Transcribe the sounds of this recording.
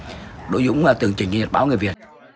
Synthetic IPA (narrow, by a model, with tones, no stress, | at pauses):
ɗo̰˧˥˦jzʊ̰˧˥wŋ͡mvaː˨˩t̪ɨ˨˩əŋt͡ɕï˨˩ŋɲ˧˩ɲə˨˩t̚ɓaː˨˦wŋɨ˨˩əvi˨˩ə